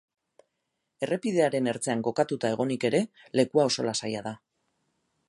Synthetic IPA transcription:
e̞re̞piðe̞aɾe̞ne̞ɾt͡se̞aŋɡo̞kat̪ut̪ae̞ɣ̞o̞nike̞ɾe̞ | le̞kuao̞so̞lasajað̞a

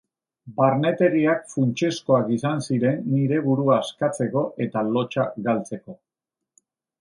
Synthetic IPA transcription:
baɾne̞t̪e̞ɾiak̚funt͡ʃe̞sko̞akisansiɾe̞nːiɾe̞βuɾuaːskat͡se̞ko̞ʔe̞t̪alo̞t͡ʃaɡalt͡se̞ko̞

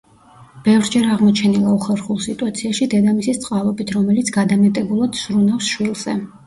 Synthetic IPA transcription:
b̥ɛvɾd͡ʒɛɾaʁmɔt͡ʃʰɛnilˠauχɛɾχulˠsit̪ʼuat̪sʰiaʃid̪ɛd̪amisist̪sʼqʼalˠɔbit̪ʰɾɔmɛlit̪sʰɡ̥ad̪amɛt̪ʼɛbulˠad̪̥sɾunafsʃwilˠz̥ɛ̰

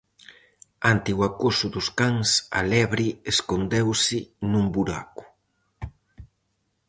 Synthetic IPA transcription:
ant̪ɪwakosʊðʊskaŋsa̰lɛβɾieskond̪ewsɪnumbuɾa̰ku̥

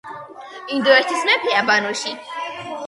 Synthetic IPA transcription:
ind̪ɔɛɾt̪ʰismɛpʰiabanuʃi

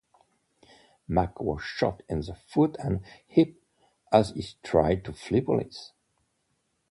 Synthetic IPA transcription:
makʰwɔ̰z̥ʃɑ̰tɪ̃nðəfutə̃nhɪp̚ | əziz̥tʰɹ̥a̰ɪd̚tʰuflipəl̩ɪ̰s

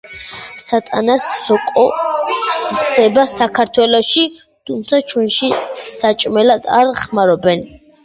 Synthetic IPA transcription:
sat̪ʼanasːɔqʼɔ | d̪̥ɛbasakʰaɾt̪ʰwɛlɔʃi | t̪ʰumt̪sʰat͡ʃʰwɛnʃisat͡ʃʼmɛlad̪aɾχmaɾɔbɛn

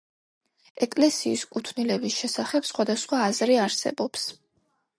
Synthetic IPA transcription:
ɛkʼlɛsiːskʼut̪ʰnilɛbisʃɛsaχɛpsχwad̪asχwaːzɾiaɾsɛ̰bɔps

